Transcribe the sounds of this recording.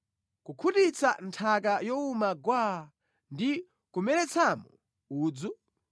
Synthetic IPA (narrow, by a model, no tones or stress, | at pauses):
kukʰutit͡santʰakajɔumaɡwa | ndi | kumɛɾɛt͡sʰamɔ | uːd͡zu